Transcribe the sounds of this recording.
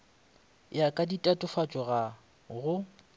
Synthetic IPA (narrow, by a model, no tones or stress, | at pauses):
jakʼaditʼatʼʊfat͡ʃʼɔɣa | ɣʊ